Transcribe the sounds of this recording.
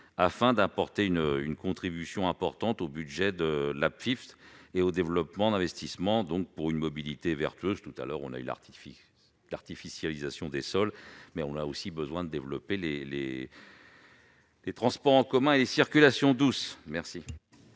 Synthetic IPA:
afɛ̃d̪ãpɔʁt̪eynəynkɔ̃t̪χibysjɔ̃ɛ̃pɔʁt̪ɑ̃t̪obyd̪ʒɛd̪əlapfift̪eod̪evlɔpmɑ̃d̪ɛ̃vɛst̪ismɑ̃d̪ɔ̃k̚puʁynmɔbilit̪evɛ̰ʁt̪ɥøzt̪ut̪a̰lœʁɔ̰̃na̰y̰la̰ | laʁt̪ifisjalizasjɔ̃d̪esɔlmɛɔ̃naosibəzwɛ̃d̪əd̪evlɔpelelḛ | let̪χɑ̃spɔʁɑ̃kɔmɛ̃elesiʁkʲylasjɔ̃d̪usmɛʁsi

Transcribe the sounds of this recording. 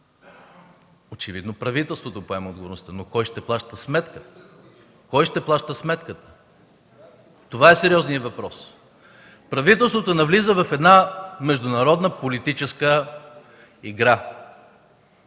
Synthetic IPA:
ot͡ʃɛvid̪nopɾɐvit̪ɛlˠst̪vot̪opoɛmɐod̪ɡovoɾnost̪ənokɔjʃt̪ɛplˠaʃt̪əsmɛt̪kə | kɔjʃt̪ɛplˠaʃt̪əsmɛt̪kət̪ə̥ | t̪ovaɛsɛɾʲiɔznijəvɐpɾɔs | pɾɐvit̪ɛlˠst̪vot̪onɐvlizəvɐfɛd̪namɛʒd̪ʊnɐɾɔd̪nəpolit̪it͡ʃɛskə | iɡɾa

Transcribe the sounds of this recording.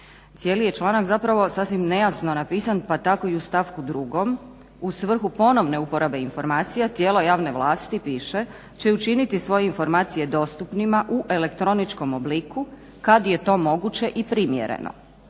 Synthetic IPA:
t̪sje̞ːlije̞t͡ʃlˠaːnakzapɾaʋo̞sasʋimne̞jasno̞napiːsanpat̪ako̞iust̪aʋkud̪ɾuɡo̞m | usʋr̩xupo̞no̞ʋne̞upo̞ɾabe̞info̞ɾmaːt̪sijat̪jeːlˠo̞jaːʋne̞ʋlˠaːst̪ipiːʃe̞ | t͡ɕe̞ut͡ʃinit̪isʋo̞jeinfo̞ɾmaːt̪sije̞d̪o̞ːst̪upnimaʔuʔe̞le̞kt̪ɾo̞nit͡ʃko̞mobliku | kad̪je̞t̪o̞ːmo̞ɡut͡ɕe̞ʔipɾimjḛɾḛnʔo̰

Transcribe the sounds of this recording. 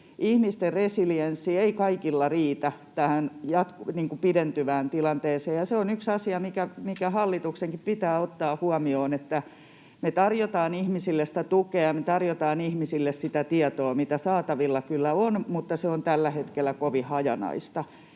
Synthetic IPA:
ihmist̪erresilijensːieikɑikilːɑriːt̪æt̪æhænjɑt̪kniːŋkupident̪yʋæːnt̪ilɑnt̪eːseːjɑseonyksɑsiɑmikæmikæhɑlːit̪ukseŋkippit̪æːot̪ːɑːhuɑmioːnet̪ːæ | met̪ɑrjot̪ɑːnihmisilːest̪æt̪ukeɑmet̪ɑrjot̪ɑːnihmisilːessit̪æt̪iɑt̪oːmit̪æsɑːt̪ɑʋilːɑkylːæonmut̪ːɑseont̪ælːæhet̪kelːˑækoʋihɑjɑ̰nɑ̰ist̪ɑ

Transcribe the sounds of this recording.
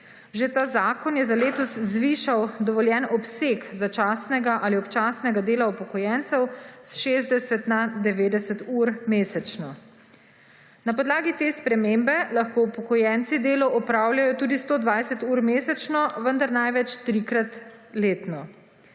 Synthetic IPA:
ʒet̪aːzaːkɔnjɛzaleːt̪ɔszʋiːʃawd̪ɔʋɔljɛnɔpsekzat͡ʃaːsnɛɡaʔaliɔpt͡ʃaːsnɛɡad̪eːlaupɔkɔjɛnt̪sɛwsʃeːzd̪ɛsɛt̪nad̪ɛʋeːd̪ɛsɛt̪uːɾmeːsɛt͡ʃnɔ | napɔd̪laːɡit̪eːspɾɛmeːmbɛlaxkoupɔkɔjɛnt̪sid̪eːlɔʔɔpɾaːwljajɔt̪uːd̪ist̪oːd̪ʋajsɛt̪uːɾmeːsɛt͡ʃnɔʋənd̪aɾnajʋɛt͡ʃt̪ɾikɾat̪leːt̪nɔ

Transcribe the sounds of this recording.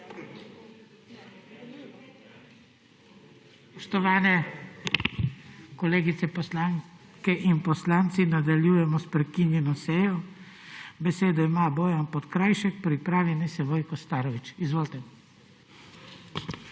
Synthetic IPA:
spɔʃt̪ɔʋaːnɛ | kɔleːɡit̪sɛpɔslaŋ | kɛʔinpɔslaːnt̪sinad̪aljujɛmɔspɾɛkinjɛnɔsɛjɔ | bɛseːd̪ɔimaːbɔːjanpɔt̪kɾajʃɛk̚pɾipɾaːʋjɛnisɛʋɔjkɔst̪aːɾɔʋit͡ʃizʋoːlt̪ɛ

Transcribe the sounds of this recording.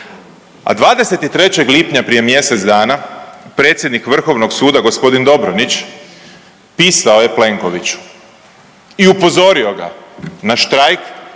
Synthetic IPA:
a̰d̪ʋaːd̪e̞se̞t̪it̪ɾe̞t͡ɕe̞ɡliːpɲapɾijemje̞se̞t̪d̪aːnapɾe̞ːt̪sjed̪nikʋr̩xo̞ʋno̞ɡsuːd̪aɡo̞spo̞d̪ind̪o̞bɾonit͡ɕ | piːsao̞je̞ple̞ŋko̞ʋit͡ɕu̥ | iupo̞zo̞ɾio̞ɡa̰naʃt̪ɾajk

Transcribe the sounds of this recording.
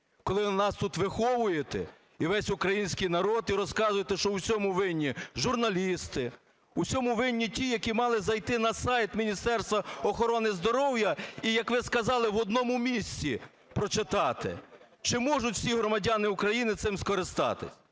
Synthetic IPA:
kɔlˠɪnɑst̪ut̪ʋɪxɔʋʊjet̪ɛ̰ | iʋɛsʲʊkɾɐjinʲsʲkijnɐɾɔd̪iɾɔskɑzʊjet̪ɛʃt͡ʃɔwsʲɔmʊʋɪnʲːiʒʊrnɐlʲist̪ɪ | usʲɔmʊʋɪnʲːitʲijɐkʲimɑlˠɪzɐjt̪ɪnɐsɑjt̪mʲinʲist̪ɛrst̪ʋɐɔxɔɾɔnɪzd̪ɔɾɔwjɐijɐkʋɪskɐzɑlˠɪʋɔd̪nɔmʊmʲisʲt͡sʲi | pɾɔt͡ʃɪt̪ɑt̪ɪ̰ | t͡ʃɪmɔʒʊtʲw̥sʲiɦɾɔmɐdʲɑnɪukɾɐjinɪt̪sɪmskɔɾɪst̪ɑ̰t̪ɪ̰sʲ

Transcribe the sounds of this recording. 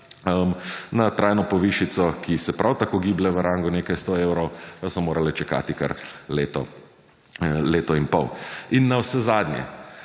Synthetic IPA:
əmnat̪ɾaːjnɔpɔʋiʃit̪sɔkʰisɛpɾʔawt̪akoːɡiblɛʋəɾãːŋɡʊneːkajst̪oeːwɾɔwsɔmoːɾʔalɛt͡ʃɛka̰ːt̪ika̰ɾleːt̪ɔ̰ | leːt̪ɔinpɔwinːawsɛzaːd̪njɛ̰

